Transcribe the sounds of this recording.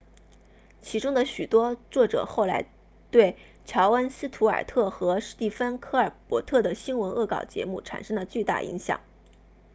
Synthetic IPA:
t͡ɕʰi˧˥ʈ͡ʂʊ˥ŋd̪ə˨ɕy˨˩t̪wɔ˥t͡swɔ˥˩ʈ͡ʂɤ̰˨˩xo˥˩ʊla˧˥ɪ | t̪we˥˩ɪ | t͡ɕʰjɑ˧˥ʊwə˥nsɹ̩˥t̪ʰu˧˥ə̰˞˨˩t̪ʰɤ˥˩xɤ˧˥ʂɻ̩˥˧t̪i˥˩fə˥nkʰɤ˥˩ə˞˨˩pwɔ˧˥t̪ʰɤ˥˩d̪ə˩ɕi˥nwə˧˥nʔɤ̰˥˩kɑ˨˩ʊt͡ɕjɛ̰˧˥mu˥˩ʈ͡ʂʰa̰˨˩nʂɤ˥ŋd̪ə˨t͡ɕy˥˧t̪a̰˥˩ʔḭ˧˥ŋɕjɑ̰˨˩˦ŋ

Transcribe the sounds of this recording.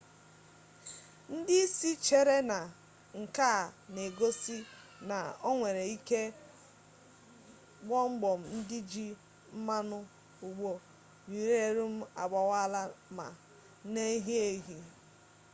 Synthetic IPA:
n̩˦dɪ˦i˦si˦t͡ʃe˦ɾe˦na˨ | ŋ̩˨ka˦˨ne˨ɡo˦si˦ | na˨o˦ŋʷe˨ɾe˨i˦ke˦ | ɡ͡bɔ˦ŋ͡m̩˦ɡ͡bɔ˨m̩˨n̩˦dɪ˦d͡ʒi˦ | m̩˦ma˦nʊ˦ | u˨ɡ͡bo˨ | ni˨ɾe˦e˨ɾu˦m̩˦a̰˨ɡ͡ba˨wa˦la˦ma̰˨ | ne˦ɦi˦e˦ɦi˨

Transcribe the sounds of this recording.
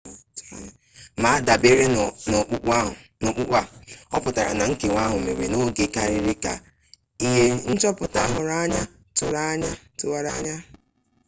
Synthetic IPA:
ma˨˦a˦da˨be˦ɾe˦no˨k͡pk͡p | no˨k͡pu˦k͡pʷa˦ɔ˦pʊ˨ta˨ɾa̰˨na˨ŋ̩˦ke˨ŋʷa˦ɦʊ˨mḛ˨ɾḛ˨no˦ɡe˨ka˦ɾɪ˦ɾɪ˦ka˨ | i˦ɦe˦n̩˦t͡ʃɔ˦pʊ˨ta˨ɦʊ˦ɾa˦ɲa˦ | tʊ˦˨ɾa˦ɲa˦tʊ˦wa˦ɾa˦ɲa˦

